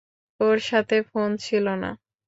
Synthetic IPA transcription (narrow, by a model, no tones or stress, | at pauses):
oɾʃat̪ʰefont͡ɕʰilona̰